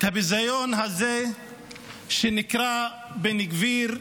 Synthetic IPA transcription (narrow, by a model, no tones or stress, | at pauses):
t̪abizajonɦaze | ʃenikɾa | beniɡviɾ